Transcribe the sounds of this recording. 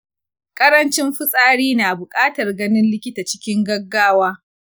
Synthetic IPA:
kʼɐ˦ɾɐ˦nt͡ʃɪ˦mɸʊ˦sʼaː˦ɽiː˦naː˨bʊ˨kʼaː˦tɐ˨rɡɐ˦nɪ˦nlɪ˦kʲɪ˦taː˨t͡ʃɪ̥˦kʲɪ˦ŋɡɐ˦ɡːaː˦waː˦

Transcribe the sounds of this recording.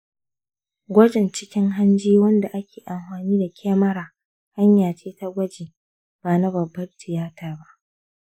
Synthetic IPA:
ɡʷɐ˦d͡ʒɪ˨nt͡ʃɪ˦kʲɪ˦ŋɦa˦nd͡ʒiː˦wɐ˦nda˨ʔa˦kʲeː˨ʔa˨mɸaː˨niː˦da˨kʲʰeː˦mɐ˦ɽaː˨ | ha˦ɲjaː˨t͡ʃeː˦ta˦ɡʷɐ˦d͡ʒeː˨ | b̥aː˨na˦bɐ˨bːɐ˦rtɪ˨jaː˦taː˨ba˦ʔ

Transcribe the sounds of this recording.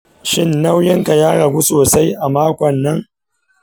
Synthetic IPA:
ʃɪ˦nːa˦wjɪ˦ŋka˨jaː˦ɽɐ˨ɡʷu˦soː˨sa˦jʔa˨maː˦kʷɔ˨nːɐ˦ŋ

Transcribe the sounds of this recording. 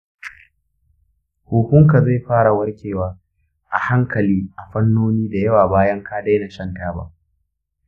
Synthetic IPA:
huː˨kʊ˦ŋka˨za˦˨jɸaː˦ɽa˨wɐ˦rkʲʰeː˨waː˨˦ | ʔa̰˨ha˦ŋkɐ˨liː˦ʔa˨ɸɐ˦nːoː˦niː˦da˨jɐ˦waː˨baː˦jɐ˦ŋkaː˦da˦jna˨ʃɐ˦ntaː˦ba̰˦ʔ

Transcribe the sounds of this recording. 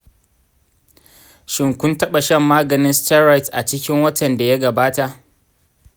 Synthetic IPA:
ʃɪ˨ŋkʷʊ˦ntɐ˦ɓa˨ʃɐ˦mːaː˦ɡɐ˨nɪ˦nsta˦ɾa˦jtʔa˨t͡ʃɪ˦kʲɪ˦ŋwɐ˦tʰɐ˨nda˨ja˦ɡɐ˨baː˦ta˨ʔ

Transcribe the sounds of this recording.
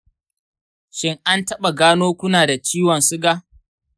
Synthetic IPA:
ʃɪ˦ŋʔa˦ntɐ˦ɓa˨ɡaː˦noː˦kʷʊ˦naː˨da˨t͡ʃiː˦wɔ˨nsʊ˦ɡa˦

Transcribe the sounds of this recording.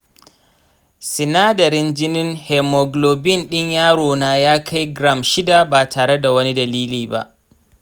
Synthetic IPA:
sɪ˨naː˦dɐ˨ɾɪ˦nd͡ʒɪ˦nɪ˦ŋhɛ˨mɔ˨ɡloː˨bɪ˦˨nɗɪ˦ɲjaː˦ɽoː˨naː˦jaː˦kʰa˦jɡɾa˦˨mʃɪ˦da˨baː˨tʰaː˨ɽe˦da˨wɐ˦ni˦dɐ˨liː˦liː˨ba̰˦ʔ

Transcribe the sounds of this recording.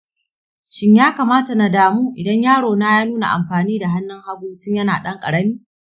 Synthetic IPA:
ʃɪ˦ɲjaː˦kaː˨maː˦ta˨na˨daː˨muː˦ʔɪ˨dɐ˦ɲjaː˦ɽoː˨na˦jaː˦nuː˦na̰˨ʔa̰˨mɸaː˨niː˦da˨ɦa˦nːɪ˦ŋha˦ɡʷuː˦t͡ʃɪ˦ɲjɐ˦naː˨ɗɐ˦ŋkʼɐ̰˨ɽɐ˦miː˦

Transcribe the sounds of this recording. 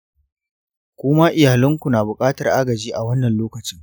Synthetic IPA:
kʷʊː˦ma˦ʔɪ˨jaː˨lɐ˦ŋkʷu˨naː˨bʊ˨kʼaː˦tɐ˨rʔa˦ɡɐ˨d͡ʒiː˦ʔa˨wɐ˦nːɐ˨nloː˦kɐ˨t͡ʃɪ˦ŋ

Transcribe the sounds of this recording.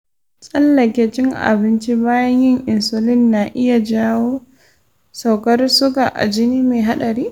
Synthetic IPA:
sʼɐ˦lːɐ˨kʲe˨˦t͡ʃɪ˦ŋʔa̰˨bɪ˦nt͡ʃi˦baː˦jɐ˦ɲjɪ˦ŋʔɪ˨nso˨lɪ˦nːa˨ʔɪ˦ja˨d͡ʒaː˦woː˦ | sa˨wkɐ˦rsʊ˦kaː˨ʔa̰˨d͡ʒɪ˦niː˦meː˨ɦa˦ɗɐ˨ɾiː˦

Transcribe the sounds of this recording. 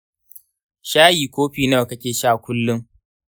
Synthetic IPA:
ʃaː˦jiː˨kʷoː˦ɸiː˨na˦˨wkɐ˦kʲeː˨ʃaː˦˨kʷʊ˦lːʊ˦ŋ

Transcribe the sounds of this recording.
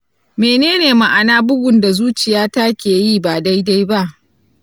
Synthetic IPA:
meː˨neː˦neː˨ma˨ʔa˨naː˦bʊ˦ɡʷʊ˨nda˨zuː˦t͡ʃɪ˨jaː˦ta˦kʲeː˨jiː˦˨baː˨da˦jda˦jba˦ʔ

